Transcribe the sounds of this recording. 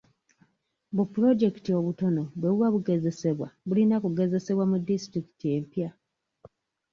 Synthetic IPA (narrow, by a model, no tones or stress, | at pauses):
bupːuɾo̞d͡ʒe̞ki̥tio̞βuto̞no̞βweβwaβuɡe̞ze̞se̞βwaβulinakuɡe̞ze̞se̞βwamudistɾiki̥tie̞mpja